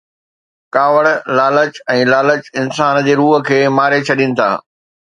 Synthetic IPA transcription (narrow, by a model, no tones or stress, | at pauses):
kaːʋəɽlaːlət͡ɕɛ̃ːlaːlət͡ɕɪnsaːnd͡ʑeːɾuːɦə̆kʰeːmaːɾet͡ɕʰɐɗinɪ̆t̪ʰa̰ː